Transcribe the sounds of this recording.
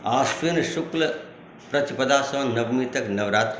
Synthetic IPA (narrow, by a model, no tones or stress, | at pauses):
aːsʋinʃʊklɐ | pɾɐt̪ipɐd̪aːsɐ̃ːnɐbmit̪ɐknɐʋɾaːt̪ɾ